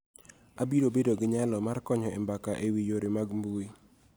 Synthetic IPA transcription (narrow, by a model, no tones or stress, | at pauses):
abiɾobedoɡɪɲalɔmarkɔɲɔɪmbakaʔewijoɾemaɡmbui